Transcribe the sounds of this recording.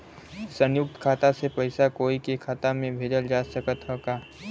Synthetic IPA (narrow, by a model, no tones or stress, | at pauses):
sɐ̃njʊk̚t̪kʰaːt̪asepɐɪsakoːikekʰaːt̪amẽbʱeːd͡ʒəld͡ʒaːsəkət̪ɦokaː